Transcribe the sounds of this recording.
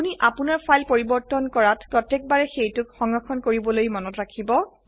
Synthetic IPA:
uniʔapunaɹpʰajlpoɹibɔɹtɔnkɔɹatpɹɔtɛk̚baɹɛxejtʊkxɔŋɹɔkʰɔnkoɹibɔlojmɔnɔtɹakʰibɔ

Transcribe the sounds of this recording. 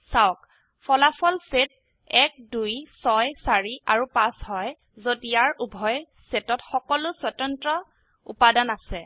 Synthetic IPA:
sawk | fʰɔlapʰɔlset̚ | ɛk̚dujsɔjsaɹiʔaɹupashɔj | zodiaɹubʱɔj | setɔtxɔkɔlʊswatɔntɹɔ | ṵpadanasɛ

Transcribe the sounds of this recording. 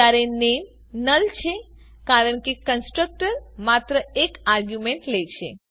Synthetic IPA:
aɾenem | nəlt͡ʃʰe | kaɾəɳkekənsʈɾək̚ʈəɾmat̪ɾəekaɾɡjumeɳʈlet͡ʃʰḛ

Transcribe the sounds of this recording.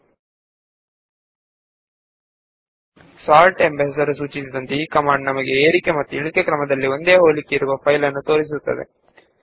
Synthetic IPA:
saːɾʈembes̬ɐɾusuːt͡ʃisid̪ɐnt̪eiːkɐmaːɳɖnɐmɐɡe̞eːɾikemɐt̪ːuiɭikekɾɐmɐd̪ɐlːio̞nd̪eːɦoːlikːeiɾuʋɐpʰɐjlɐnːut̪o̞ːɾis̬ut̪ːɐ̰d̪e̞̰

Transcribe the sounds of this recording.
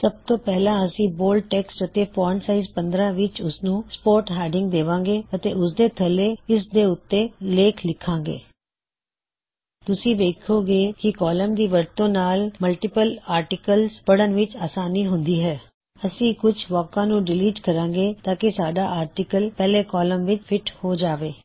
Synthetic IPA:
səb̚t̪õːpɛːlãːəsĩːboːlʈɛːksʈət̪eːpʰɔːɾnsaːizpə̃nd̪ɾãːʋɪt͡ʃʊsnũːspoːɾʈɦɛːɖɪ̃ŋɡ̚d̪eːʋãːŋɡeːət̪ḛːʊsd̪eːt̪ʰəlːeːɪs̬d̪eːʊt̪ːeːleːkʰlɪkʰːãːɡḛː | t̪ʊsĩːd̪eːkʰoːɡeːkɪkɔːləmd̪iːʋəɾt̪õːnaːlməlʈɪpəlaːɾʈɪkəlzpəɽənʋɪt͡ʃaːsaːniːɦʊnd̪iːɦɛː | əsĩːkʊt͡ʃʰʋɔːkãːnũːɖɪliːʈkəɾãːŋɡeːt̪aːkɪsaːɖaːʔaːɾʈɪkəlpɛːleːkɔːləmʋɪt͡ʃpʰɪʈhoːd͡ʒaːʋeː

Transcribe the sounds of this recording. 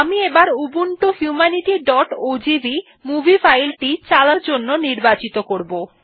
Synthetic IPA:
amiebaɾubuɳʈohjumaniʈiɖɔʈod͡ʑibi | mubʱifʰajlʈit͡ɕalaɾd͡ʑonːoniɾbat͡ɕit̪okoɾbo

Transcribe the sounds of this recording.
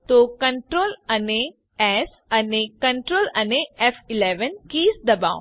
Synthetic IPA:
t̪okɐ̃ɳʈɾoːlɐne | ɛs | ɐnekɐ̃ɳʈɾoːlɐneɛfʰɪleːʋənkiːsd̪ɐba̰ːʊ̃

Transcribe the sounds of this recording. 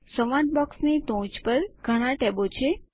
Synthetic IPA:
səʋãʈ̚bɔksnit̪õt͡ʃpəɾɡʱəɽ̃ãʈɛbot͡ʃʰe

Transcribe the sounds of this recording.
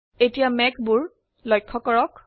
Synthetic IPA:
etijamɛkbuɹ | lɔjkʰːɔkɔɹɔk

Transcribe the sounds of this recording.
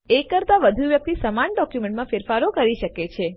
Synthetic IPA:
ekəɾt̪aʋəd̪ʱuʋjək̚t̪isəmanɖɔkjumẽɳʈmãfeɾfaɾokəɾiʃəket͡ʃʰe

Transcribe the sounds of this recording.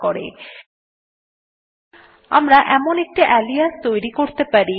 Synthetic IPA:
kɔɾḛ | a̰mɾaʔɛmonek̚ʈiʔɛlijast̪ojɾikoɾt̪epaɾi

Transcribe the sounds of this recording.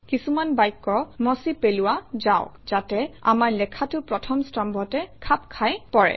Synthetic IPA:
kisumanbajkːɔmɔsipelʊwazaʊkz̥atɛa̰maɹlɛkʰatʊpɹɔtʰɔmstambʱɔtɛkʰap̚kʰajpɔɹɛ̰

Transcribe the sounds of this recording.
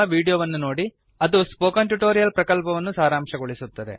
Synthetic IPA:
ɐʋiːɽijoʋɐnːuno̞ːɽi | ɐd̪uspoːkɐɳʈuʈoːɾijɐlpɾɐkɐlpɐʋɐnːusaːɾaːmʂɐɡoɭisut̪ːɐd̪e̞̰

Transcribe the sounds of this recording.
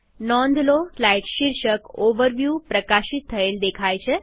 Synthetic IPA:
nɔnd̪loflajʈɕiɾɕəkoʋəɾʋjuːpɾəkaɕit̪ʰːəeld̪ekʰajt͡ɕʰe

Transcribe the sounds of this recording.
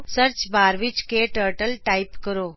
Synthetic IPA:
səɾt͡ʃbaːɾʋit͡ʃkeʈəɾʈəlʈaipkəɾoː

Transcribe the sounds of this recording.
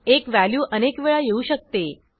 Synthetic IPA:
ekʋæljuːʔənekʋeɭajeuɕək̚t̪e

